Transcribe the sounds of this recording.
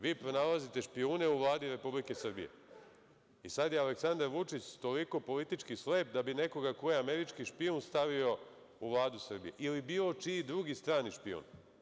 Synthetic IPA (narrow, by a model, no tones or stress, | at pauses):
ʋiːpɾo̞nalazit̪e̞ʃpiuːne̞uʋlˠaːd̪iɾe̞publike̞sr̩bḭje̞̰ | isad̪jealeksand̪aɾʋut͡ʂit͡ɕt̪o̞liko̞po̞lit̪it͡ʃkisle̞ːpd̪abine̞ko̞ɡako̞jeame̞ɾit͡ʃkiʃpiunst̪aʋio̞ | uʋlˠaːd̪usr̩bḭje̞̰ʔilibiːlo̞t͡ʃid̪ɾuɡist̪ɾaːniʃpḭṵn